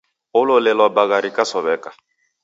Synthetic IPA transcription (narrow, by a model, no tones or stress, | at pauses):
ololelɔbaɡaɾikasɔβɛka